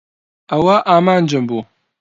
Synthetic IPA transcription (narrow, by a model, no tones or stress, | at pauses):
ɐwɐʔaːmaːnd͡ʒɨmbuː